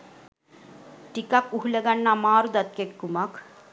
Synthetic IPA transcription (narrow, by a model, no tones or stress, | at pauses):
ʈikakuɦuleɡanːamaːɾud̪at̪̚kekːumak